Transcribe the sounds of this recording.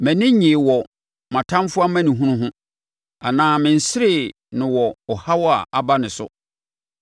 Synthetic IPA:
mɛ̃˨nɪ̃˦ɲĩ˨wɔ˨ | mã˨tʰã˦mfʊ˦a˦mæ̃˦nĩ˨ɦũ˦nʊ̃˦ɦʊ̃˦ | a˨nãː˦mɪ̃˨n̩˨sɪ˦ɾɪ˦˨ | nɪ̃˨wɔ˨ɔ˨ha˦wɔ˦a̰˨ʔa˨ba˦nɪ̃˨sʊ̰˦

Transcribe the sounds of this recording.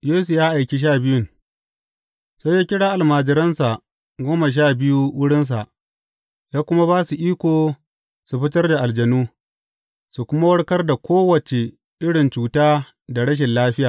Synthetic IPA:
jeː˦su˨jaː˦ʔa˨jkʲi˨ʃ̬aː˦bɪ˦jʊ˦ŋ | sa˦jaː˦kʲɪ˦ɽaː˦ʔa˨lmaː˨d͡ʒɪ˨ɾɐ˦nsa˨ | ɡʷoː˦ma˨ʃ̬aː˦˨bɪ˦ju˦wʊ˦ɽɪ˦ns̬a˨ʔ | jaː˦kʷʊ˦ma˦βaː˦su˨ʔiː˦kʷoː˨ | su˨ɸɪ˦tɐ˦rda˨ʔa˨ld͡ʒɐ˨nuː˦ | su˨kʷʊ˦ma˦wɐ˦ɽkɐ˦rda˨kʷoː˦wɐ˨t͡ʃe˨ | ʔɪ˦ɽɪ˨nt͡ʃuː˨taː˦ | da˨ɽɐ˦ʃ̬ɪ˨nlaː˦ɸɪ˦jaː˨

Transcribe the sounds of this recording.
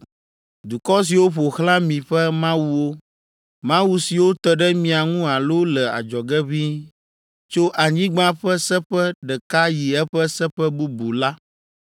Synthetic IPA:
d̪u˨kɔ˦s̬i˨wo˦ɸo˨xlã˦mĩ˨ɸɛ˦mã˦wu˦wo˦ | mã˦wu˦si˨wo˦t̪ə˨ɖɛ˦mĩ˨a˨ŋũ˦a˨lo˦lɛ˨a̰˨d͡ʒɔ˨ɡɛ˦βi˦ | t͡ʃo˦ʔa˨ɲĩ˦ɡ͡bã˦ɸɛ˦sɛ˦ɸɛ˦ɖɛ˨ka˦ji˨ɛ˦ɸɛ˦sɛ˦ɸɛ˦bu˦bu˨la˦

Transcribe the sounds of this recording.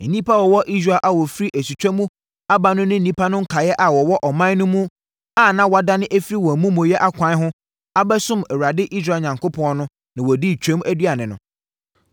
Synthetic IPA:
e˨nĩ˦pʰa˦wɔ˨wɔ˦ʔi˦s̬ɾa˨lʔa˦wɔ˨fɾi˦ʔæ˨su˨t͡ɕᶣɛ˦mũ˦ | a˦ba˨nʊ̃˦nɪ̃˦n̩˨nĩ˦pʰa˦nʊ̃˦ŋ̩˦kʰa˨jɛ˦ʔa˨wɔ˨wɔ˦ʔɔ˨mã˦n˦nʊ̃˦mũ˦ | a˦nã˦wa˨da˦nɪ̃˦ʔæ˦fi˦ɾi˦wɔ˨æ˨mũ˦mʊ̃˨jɛ˦ʔa˦kʷʰã˨˦ɦʊ̃˦ | a˦bæ˦sʊ̃˦mɛ˨wɾa˨dɪ˦ʔi˦s̬ɾaː˨ɲã˨ŋkʊ˦pʰɔ̃˨˦ɔ˦nʊ̃˦ | nã˨wɔ˨di˦˨t͡ɕʰᶣɛ̃˦m˦æ˦dɥa˨nɪ̃˨nʊ̰̃˨

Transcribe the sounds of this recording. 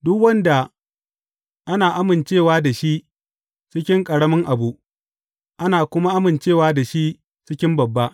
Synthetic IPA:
dʊ˦kwɐ˦nda˨ | ʔa˦naː˨ʔa˦mɪ˨nt͡ʃeː˦˨waː˦da˨ʃi˦ʔ | t͡ʃɪ˦kʲɪ˦ŋkʼɐ˨ɽɐ˦mɐ˦ŋʔa˨bu˦ʔ | ʔa˦naː˨kʷʊ˦ma˦ʔa˦mɪ˨nt͡ʃeː˦˨waː˦da˨ʃi˦ | t͡ʃɪ˦kʲɪ˦mbɐ˨bːa˦ʔ

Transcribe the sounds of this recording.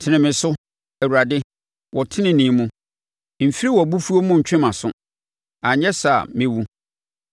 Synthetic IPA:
tʰɪ˨nɪ̃˨mɪ̃˨sʊ˦ | æ˨wu˨ɾa˨dɪ˦ | wʔɔ˨tʰɪ˦nɪ̃˦nɪ̃˨˦mũ˦ | m̩˨fi˦ɾi˦wɔ˨bu˦fu˦o˦mʊ̃˦ɲ̩˨t͡ɕᶣɪ̃˦mã˨sʊ˦ | a˨ɲɛ˦sa˨mɪ̃˦wu˦

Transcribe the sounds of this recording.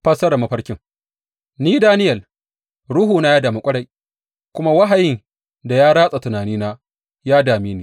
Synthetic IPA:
ɸɐ˦sɐ˦ɾɐ˨mɐ˦ɸɐ˦ɾkʲɪ˦ŋ | niː˦daː˦nɪ˦jɐ˨l | ɽʊ˦ɦuː˨naː˦jaː˦daː˨mi˦kʷʼɐ˦ɽa˨j | kʷʊ˦ma˦wa˦ɦa˨jɪ˦ŋ | da˨jaː˦ɽaː˦sʼa˨tʊ˨naː˨niː˦naː˦ | jaː˦daː˨miː˦niː˨

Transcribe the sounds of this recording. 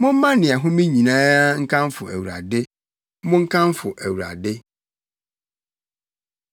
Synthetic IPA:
mʊ̃˦m̩˦mã˦nɪ̃˨a˨ɦʊ̃˦mĩ˦ɲĩ˨nã˦a˦ŋ̩˦kʰã˦mfʊ˨æ̰˨wu˨ɾa̰˨dɪ˦ | mʊ̃˦ŋ̩˦kʰã˦m˦fʊ˨ʔæ˨wu˨ɾa̰˨dɪ˦

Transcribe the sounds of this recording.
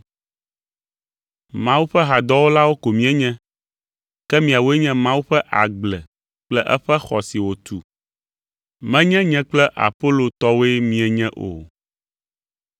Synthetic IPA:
mã˦wu˦ɸɛ˦ɦa˨d̪ɔ˦wo˦la˦wo˦ko˨mĩ˦ɛ˦ɲɛ̃˦ | kɛ˦mĩ˨a˨wo˦e˦ɲɛ̃˦mã˦wu˦ɸɛ˦ʔa˨ɡ͡blɛ˨ | k͡plɛ˦ʔɛ̰˦ɸɛ˦xɔ˨si˨wo˨t̪u˨ | mɛ̃˦ɲɛ̃˦ɲɛ̃˦k͡plɛ˦ʔa̰˨po˦lo˨t̪ɔ˦wo˦e˦mĩ˨˦ɛ˨ɲɛ̃˦ʔo̰˨

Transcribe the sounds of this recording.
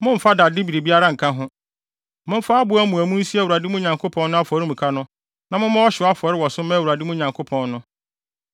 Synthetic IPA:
mʊ̃˦m̩˨fa˦da˨dɪ˦bi˨ɾi˨bi˦a˦ɾa˦ŋ̩˨kʰã˦ɦʊ̃˦ | mʊ̃˦m̩˦fa˦a˦bʊ˨˦æ˦mũ˨æ˨mũ˦n̩˦si˦æ˦wu˨ɾa˨dɪ˦mʊ̃˦ɲã˨ŋkʰo˦pʰɔ̃˦nnʊ̃˦a˦fɔ˨ɾɪ˦mũ˨kʰa˦nʊ̃˦ | nã˨mʊ̃˦mã˦wɔ˦ɕɪ˨˦a˦fɔ˨ɾɪ˦wɔ˨sʊ˦mɛ̃˦˨wɾa˨dɪ˦mũ˦ɲã˨ŋkʰo˦pʰɔ̃˨nnʊ̃˦

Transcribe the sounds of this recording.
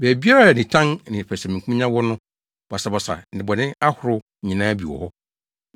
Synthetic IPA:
bɛː˨bi˦a˦ɾa˦˨nɪ̃˨tʰã˦nnɪ̃˨pʰæ˨sɛ˨mĩ˨kʰũ˦ɲã˦wɔ˦nʊ̃˦ | b̥a˨sa˨bɔ˨sa̰˨n˨ɪ̃˨bɔ˨nɪ̃˦a˦hʊ˨ɾʊ˦ɲĩ˨nãː˦bi˨wɔ̰˨hɔ˦

